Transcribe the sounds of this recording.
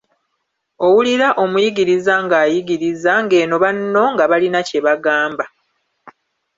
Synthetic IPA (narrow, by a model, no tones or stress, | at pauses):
o̞wuliɾaʔo̞mujiɡiɾizaŋɡaːjiɡiɾizaŋɡe̞ːno̞βanːo̞ŋɡaβalinace̞βaɡaːmba